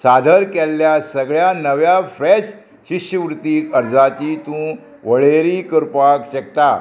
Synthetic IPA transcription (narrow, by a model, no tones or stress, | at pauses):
sad̪ʱəɾkɛlːjasəɡɭjanəʋjafɾɛɕ | ɕiɕjəʋɾut̪ːiːəɾd͡zat̪it̪ũ | ʋəɭeɾiːkəɾpakɕək̚t̪a